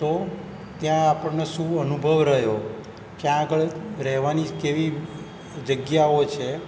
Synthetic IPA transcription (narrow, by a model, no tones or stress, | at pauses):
t̪o | t̪jãːpəɳneʃũənubʱəʋɾəɦjo | kjãːɡəɭɾɛɦʋanikeʋi | d͡ʒəɡjaot͡ʃʰe